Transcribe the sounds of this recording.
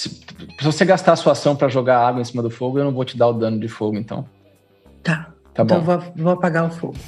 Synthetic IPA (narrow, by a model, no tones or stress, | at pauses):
sɪsɪvoseɡast̪aɾɐsuasɐ̃w̃pɾɐʒoɡaɾaɡwɐẽsĩmɐd̪ʊfoɡʊewnɐ̃w̃vot͡ʃɪd̪aʊd̪ɐ̃nʊd͡ʒɪfoɡʊẽt̪ɐ̰̃w̃ | t̪a | t̪ab̪õw̃vovoɐpaɡaʊfo̰ɡʊ